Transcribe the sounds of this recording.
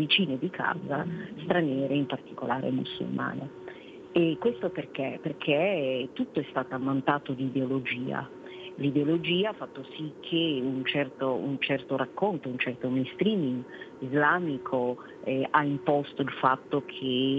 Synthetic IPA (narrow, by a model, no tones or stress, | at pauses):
vit͡ʃiːned̪ikʰa̰ːzast̪ɾanjɛːɾeimpart̪ikolaːɾʔḛmṵsːṵlma̰ːne | ekːwest̪operk̟eperkʰet̪ːut̪ːoɛst̪aːt̪oamːant̪aːt̪od̪iːd̪eolod͡ʒiːa̰ | lid̪eolod͡ʒiːaafːat̪ːosikʰːeunt͡ʃɛrt̪oṵnt͡ʃɛrt̪oɾakːont̪ount͡ʃɛrt̪omejnst̪ɾiːmiŋɡizlaːmikʰo | ʔaimpɔst̪oilfat̪ːokʰe